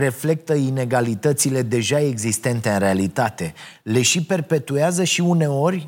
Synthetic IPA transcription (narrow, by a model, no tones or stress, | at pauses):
re̞fle̞k̚t̪əine̞ɡalit̪ət̪sile̞d̪e̞ʒae̞ɡzist̪e̞nt̪e̞ɨnɾe̞alit̪at̪e̞le̞ʃipe̞rpe̞t̪ueazəʃiune̞o̞rʲ